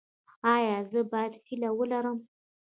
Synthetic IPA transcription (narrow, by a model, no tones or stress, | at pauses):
ajazəbad̪ħilawəlaɾəm